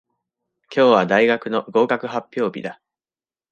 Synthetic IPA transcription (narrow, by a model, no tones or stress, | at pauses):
kʲʰo̞ːβad̪aiɡakɯ̟no̞ɡo̞ːkakɯ̟ɦapʲːjo̞ːbʲḭd̪a